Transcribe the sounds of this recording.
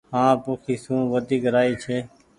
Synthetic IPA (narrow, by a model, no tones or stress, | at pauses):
hãːpoːkʰiːsũːʋəd̪ʱiːɡəɾaːiːt͡ʃʰeː